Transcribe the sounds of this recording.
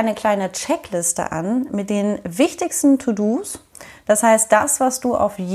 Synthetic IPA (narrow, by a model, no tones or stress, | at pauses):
ɪnəkl̥aɪnət͡ʃɛklɪstə̰ʔa̰nmɪt̚d̥eːnvɪçtɪçstn̩tʰuduːs | d̥ashaɪst̚d̥asv̥asd̥uːʔa̰ʊfj